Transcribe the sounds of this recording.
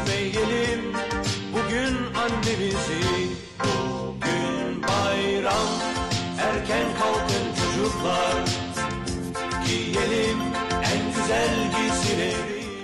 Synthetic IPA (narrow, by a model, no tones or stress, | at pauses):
mejːelʲimbuɟynanːemizi | bu | ɟynbajɾam | æɾcʰænkʰalˠkʰɯnt͡ʃʰod͡ʒuɾlˠaɾ | cʰijelʲim | ænɟyzælʲɟisiɾeɾ